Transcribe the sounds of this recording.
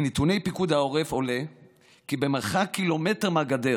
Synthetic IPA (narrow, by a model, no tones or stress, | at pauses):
nit̪une̞jpikud̪hao̞ʁefo̞le | kibemeʁχakːilo̞me̞teʁmaɡad̪e